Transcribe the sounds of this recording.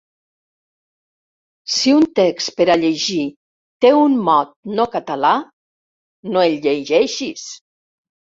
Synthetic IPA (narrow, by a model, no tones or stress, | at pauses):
siunt̪ekspeɾaʎeʒi | t̪eunmɔt̪̚nokat̪ala | noeʎʎeʒɛʃis